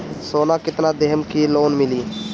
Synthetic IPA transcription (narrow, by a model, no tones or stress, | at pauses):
soːnaːkɪt̪nad̪eɦmkiloːnmɪliː